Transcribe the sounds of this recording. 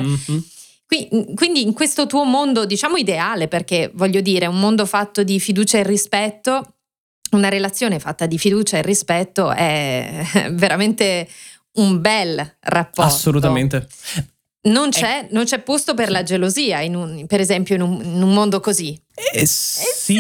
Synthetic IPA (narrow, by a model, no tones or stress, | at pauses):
kwikwind̪iːŋkwest̪ot̪uːomond̪od̪it͡ʃaːmoid̪eaːleperk̟evɔʎːod̪iːɾeummond̪ofat̪ːod̪ifid̪uːt͡ʃaerːispɛt̪ːo | unaɾelat̪sːjoːnefat̪ːad̪ifid̪uːt͡ʃaerːispɛt̪ːoɛ | veɾament̪e | umbɛlrapːɔarsːolut̪ament̪e | nont͡ʃɛnont͡ʃɛpːost̪opeɾlad͡ʒeloziːainunpeɾezɛmpjoinuminummond̪okozi | i